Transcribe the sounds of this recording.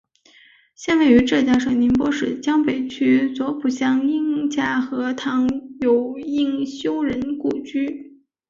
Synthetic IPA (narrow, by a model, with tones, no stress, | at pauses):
ɕjɛ˥˧nwe˥˩ɪy˧˥ʈ͡ʂɤ˥˧t͡ɕjɑ˥˩ŋʂɤ˨˩ŋni˧˥npwɔ˥ʂɻ̩˥˩t͡ɕjɑ˥ŋpe˨˩ɪt͡ɕʰy˥t͡swɔ˧˥pu˨˩ɕjɑ˥ŋi˥˩ŋt͡ɕja˥˩xɤ˧˥t̪ʰɑ˧˥ŋjo˨˩ʊi˥˩ŋɕjo˥ʊɻə˧˥nku˥˩t͡ɕy˥